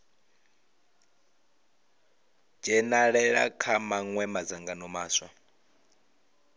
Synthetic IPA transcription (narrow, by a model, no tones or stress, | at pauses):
d͡ʒɛnaɺɛɺa̰kʰamaŋwɛmad͡zaŋɡanɔmaːswa̰